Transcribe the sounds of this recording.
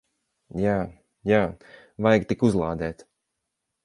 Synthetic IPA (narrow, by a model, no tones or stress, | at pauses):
jaː | jaː | vajɡt̪ikuzlˠaːd̪ɛːt̪